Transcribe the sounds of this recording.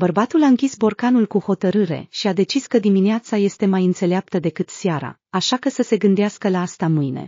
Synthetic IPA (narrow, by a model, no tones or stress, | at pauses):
bərbat̪ulaɨŋkʲisbo̞rkanulkuho̞t̪əɾɨɾe̞̰ʃiad̪e̞t͡ʃiskəd̪imineat̪saje̞st̪e̞majɨnt̪se̞leap̚t̪əd̪e̞kɨt̪sjaɾa̰ | aʃakəsəse̞ɡɨnd̪easkəlaast̪amɨjne̞̰